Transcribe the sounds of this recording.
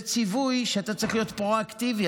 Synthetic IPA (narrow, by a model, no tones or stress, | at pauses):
t͡sivujʃeat̪at͡saʁiχlijo̞t̪pʁo̞aktivi